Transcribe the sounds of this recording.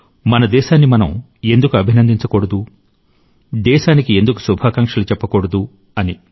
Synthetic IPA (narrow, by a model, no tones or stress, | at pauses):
mɐnɐd̪ɛːʃaːnːimɐnɐ̰m | e̞nd̪ukuɐbʱinɐnd̪iɲt͡ʃɐkoɽɐd̪u | d̪ɛːʃaːnikie̞nd̪uku̥subʱaːkɐŋkʂɐlut͡ʃɛpːɐkoɽɐd̪u | ɐni